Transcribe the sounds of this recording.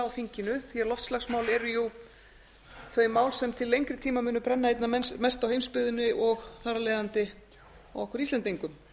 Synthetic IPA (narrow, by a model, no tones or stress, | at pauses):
awfiɲcɪnʏθiaɾlɔft̪slaxsmaːwlɛɾʏju | θœːɥmaːwlsɛmt̪ʰɪlːejŋkɾɪt̪ʰiːmamʏːnʏpɾɛnːaejt̪naɛmɛst̪awhejmspʏðʏnɪʔɔɣθaːɾalɛːðant̪ɪ | ɔ̰wɔhkvœɾisɛnt̪iŋkʏm